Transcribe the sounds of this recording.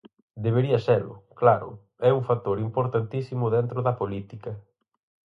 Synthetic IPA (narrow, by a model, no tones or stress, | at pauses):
d̪eβ̞eɾiɐselʊ̰klaɾʊ̰ | ɛuŋfat̪ːoɾimpoɾt̪ant̪isimʊðɛnt̪ɾʊðɐpolit̪ikɐ